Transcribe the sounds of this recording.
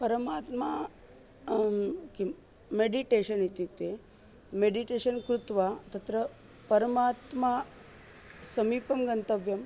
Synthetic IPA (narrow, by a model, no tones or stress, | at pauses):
pɐɾəmat̪ma | ki | meɖiʈeɕənit̪it̪e | meɖiʈeɕənkɾut̪ʋat̪ɐt̪ɾə | pɐɾəmat̪ma | sɐmiːpɐmɡɐnt̪əʋjɐm